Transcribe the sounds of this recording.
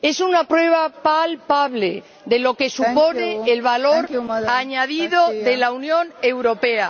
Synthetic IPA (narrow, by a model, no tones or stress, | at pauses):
e̞sunapɾweβ̞apalpaβle̞ | ðe̞lo̞ke̞supo̞ne̞ːlβalo̞ɾaɲaðiðo̞ðe̞launjõ̞ne̞wɾo̞pe̞a